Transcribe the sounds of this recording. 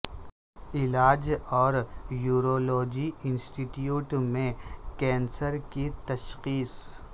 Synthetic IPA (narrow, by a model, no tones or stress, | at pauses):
ɪlaːd͡ʒɔːɾjuːɾoːloːd͡ʒiɪnsʈiʈjuːʈmẽkɛ̃ːnsəɾkit̪ɐʃqiːs